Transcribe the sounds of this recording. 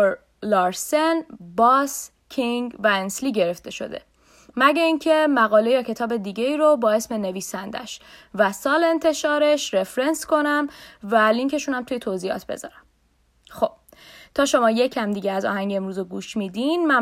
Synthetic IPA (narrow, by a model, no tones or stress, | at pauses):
lɒːɾsenbɒːs | cʰiŋɡvæensliːɟe̞ɾe̞ft̪e̞ʃo̞̰d̪e̞̰ | mæɟæiːŋcʰe̞mæɣɒːle̞jɒːcʰe̞t̪ʰɒːbe̞d̪iːɟeiːɾobɒːe̞sme̞ne̞viːsænd̪æ̰ʃvæsɒːle̞nt̪ʰe̞ʃɒːɾe̞ʃɾe̞fɾe̞nsko̞næmvæliŋkʰe̞ʃunæmt̪ʰujet̪ʰoziːɒ̰ːt̪ʰbe̞̰zɒ̰ːɾæm | xob̥̚t̪ʰɒːʃo̞mɒːje̞cʰæmd̪iːɟeæzɒ̰ːhæŋɟeemɾuːzoɡuːʃmid̪inmæ